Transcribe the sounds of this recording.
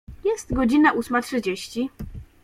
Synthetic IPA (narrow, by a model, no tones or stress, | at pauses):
jɛst̪ɡɔd͡ʑinaʔusmatʂɘd͡ʑeɕt͡ɕi